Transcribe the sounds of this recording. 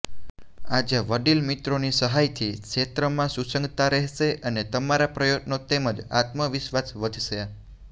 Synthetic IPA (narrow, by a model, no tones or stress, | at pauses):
ad͡ʒəʋəɖilmit̪ɾonisəɦajt̪ʰikʃet̪ɾəmãsusə̃ŋɡt̪aɾɛɦʃeʔənet̪əmaɾapɾəjot̪not̪eməd͡ʒa̰t̪məʋɪʃʋasʋəd̪ʱʃəa